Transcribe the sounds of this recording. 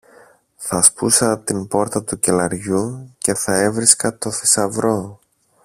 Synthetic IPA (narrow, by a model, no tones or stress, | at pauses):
θɐspusɐt̪inpo̞ɾt̪ɐt̪uce̞lɐɾʝuce̞θɐe̞vɾiskɐt̪o̞θisɐvɾo̞